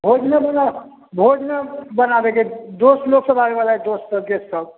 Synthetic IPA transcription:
bʱod͡ʒnəbəna | bʱod͡ʒnəbənab̪eked̪osloksəbaɾebalaɦɛd̪ossəbkesəb

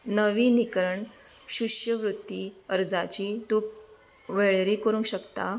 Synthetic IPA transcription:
nəʋiːnikɾəɳ | ɕuɕjəʋɾut̪ːiːəɾd͡zat͡ɕiːd̪uk̚ | ʋeɭeɾiːkəɾũŋkɕəkt̪a

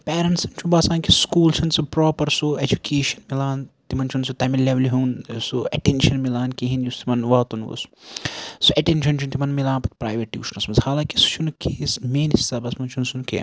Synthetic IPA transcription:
peːɾɐɳʈsɐnt͡ʃʰubɐsãːnkiskuːlt͡ʃʰɐnsupɾoːpɐɾsued͡ʒukeːʃɐ̥nmilaːnt̪imɐnt͡ʃʰunsut̪ɐmileʋɐliɦuːnsuɐʈenʃɐnmilaːnkeɦinjust̪imɐnʋɐːt̪unʋṵs | suɐʈenʃʰɐnt͡ʃʰunt̪imɐnmilaːnpɐt̪̚pɾaːjʋɐʈːiuʃnɐsmɐnzhaːlaːkisu̥t͡ʃʰunkʰeːsmeːnist̪abɐsmɐnt͡ʃʰunsunkḛː

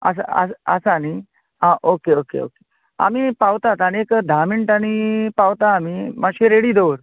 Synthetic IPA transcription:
ə̰s̬a̰ə̰ə̰sani | ãʔokeokḛo̰ke | a̰mipawt̪at̪añekd̪ʱamiɳʈanipawt̪aːmimaɕẽɾeɽiːd̪oʋɾ

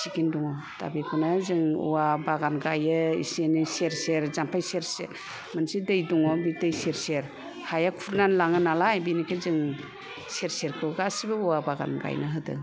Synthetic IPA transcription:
sikinduŋɔta̰bikʰunazɯŋṵwabaɡanɡajɯḭsiniseɾseɾzampʰajseɾseɾ | mansidɯjduŋɔbitɯjseɾseɾ | hajakʰuɾnanlaŋɯnalajbinikʰezɯŋ | seɾseɾkʰɯɡasibɯuwabaɡa̰nɡa̰jnɯɦɯdɯ̰

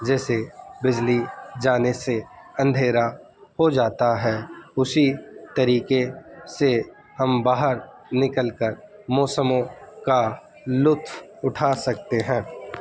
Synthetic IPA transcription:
d͡ʒɛːsebɪd͡ʒlid͡ʒaːneseɐ̃nd̪ʱeːɾa | hod͡ʒaːt̪aɦɛːʊsit̪ɐɾiːkese | hɐmbaːɦəɾ | nɪkəlkəɾmɔːsəmõka | lʊt̪ʰwʊʈʰaːsɐk̚t̪eɦɛ̃ː

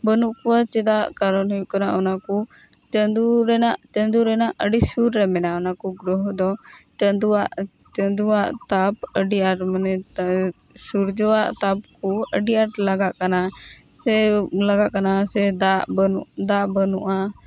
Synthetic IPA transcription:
bənuʔkuat͡ʃɛd̪aʔkaɾɔnɦɔjuʔkanaʔɔnaku | t͡ʃənd̪uɾɛnaʔt͡ʃənd̪uɾɛnaʔəɖisuɾɾɛmɛnaɔnakuɡɾɔɦd̪ɔt͡ʃənd̪uaʔt͡ʃənd̪uaʔt̪apəɖiaʈmanɛ | suɾd͡ʒɔwaʔt̪ap̚kuəɖijaʈlaɡaʔkana | sɛlaɡaʔkanasɛd̪aʔbud̪aʔbənuʔa

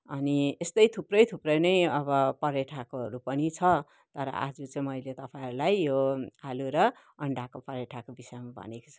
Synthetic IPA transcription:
ʌniest̪ʌjt̪ʰuprʌjt̪ʰuprʌjnʌjʌβʌpʌɾeʈʰakoɦʌ̰ɾupʌnit͡sʰʌ | t̪ʌɾʌ̰ʔa̰d͡zut͡sʌĩmʌjlet̪ʌpãɦʌɾulajjoaluɾʌ | ʌɳɖakopʌɾjeʈʰakobisʌjmabʱʌ̰neko̥t͡sʰʌ

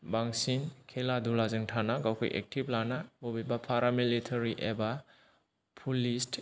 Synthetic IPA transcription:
baŋsinkʰeladulazɯŋtʰanaɡawkʰɔ̰jʔḛk̚tʰip̚lanabubibapʰaɾamilitʰaɾiʔeba | pʰulist

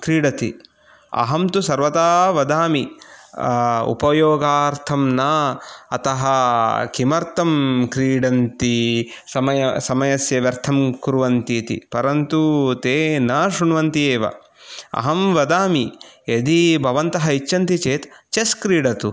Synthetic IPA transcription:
kɾiːɖɐt̪ḭ | ɐ̰ɦɐmt̪usɐɾʋɐt̪aːʋɐd̪aːmi | ṵpɐjoːɡaːɾt̪ʰɐmnɐɐ̰t̪ɐɦɐkimɐɾt̪ɐmkɾiːɽɐnt̪i | sɐmɐjɐsɐmɐjɐsjɐʋjɐɾt̪ʰɐmkuɾuʋɐnt̪it̪ḭpɐɾɐnt̪ut̪eːnɐʃuɳʋɐnt̪ieːʋɐ̰ | ɐ̰ɦɐmʋɐd̪aːmied̪ibʱɐʋɐnt̪ɐɦɐit͡ʃːɐnt̪it͡ʃeːt̪t͡ʃeskɾiːɽɐt̪u

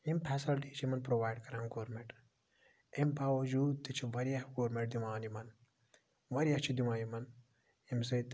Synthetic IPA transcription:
impʰɛsilʈiːt͡ʃʰimɐnpɾoʋaːjɖkɐɾɐ̃ŋɡoːɾmẽɳʈ | imbaːʋɐd͡ʒuːd̪̚t̪ɨt͡ʃʰiʋɐɾijɐhɡoːɾmẽʈ̚d̪imaːnimɐn | ʋɐɾijɐt͡ʃʰid̪imãːnimɐn | imsɐt̪

